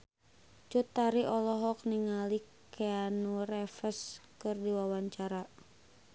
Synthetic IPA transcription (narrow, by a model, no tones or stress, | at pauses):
t͡ʃut̪ːaɾiʔɔlɔɦɔk̚niŋalikʰɛanurɛfəskɨrdiwawaɲt͡ʃaɾa